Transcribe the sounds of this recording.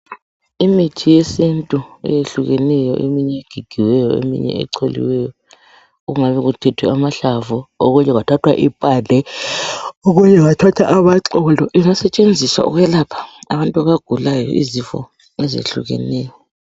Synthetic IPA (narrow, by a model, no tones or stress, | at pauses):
imitʰijesintʼuɛ̰jeɬuɣɛnɛjɔ̰ʔemiɲɛeɡ̥ʱiɡ̥ʱiwɛjɔḛmḭɲɛ̰ɛ̰ǀʰolḭwɛjɔ | ɣuŋaβɛɣutʰɛtʰwɛamaɬavuoɣuɲɛɣatʰatʰwa̰ʔipʼalɛ | oɣuɲɛɣatʰatʰaʔaβaǁɔlɔɛŋasɛt͡ʃʼend͡zʱiswa̰ṵɣwɛlapʰḁaβantʼuaβaɡ̥ʱulajɔ̰ʔḭzifɔ̰ | ɛzḛɬṵɣɛ̰nɛːjɔ